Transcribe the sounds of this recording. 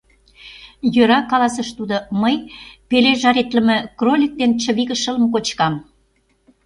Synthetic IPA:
jøɾɑkɑlɑs̬əʃt̪ud̪oməjpeleʒɑɾet̪lə̆mĕkrolʲik̚d̪ent͡ɕə̆βiɣə̆ʃə̆lə̆mkot͡ɕkɑm

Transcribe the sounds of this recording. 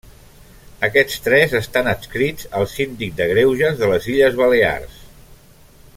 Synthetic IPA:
əkɛt͡st̪ɾɛzəst̪anəskɾid͡zəlˠsind̪ik̚d̪əɣɾewʒəzðələziʎəzβəlea̰rs

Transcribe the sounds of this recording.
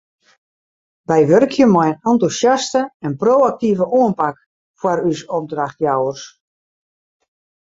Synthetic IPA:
bɛjʋørkʰjəmɔjənɔntusjastəɛnproːak̚tivəʔoənpak | fwarysɔp̚draxtjawərs

